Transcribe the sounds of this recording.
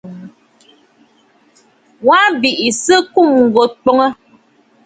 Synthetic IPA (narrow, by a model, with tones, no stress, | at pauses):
wa˦bi˨ʔi˨sə˦ku˦˨mŋ̩˨ɡo˨k͡pɔ˦ŋə˦